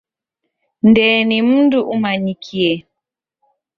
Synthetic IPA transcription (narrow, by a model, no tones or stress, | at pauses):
ndɛːnim̩nduʔumaɲikʰiɛ